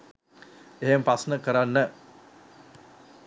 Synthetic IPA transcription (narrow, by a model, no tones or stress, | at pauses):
eɦempasnəkəɾanːə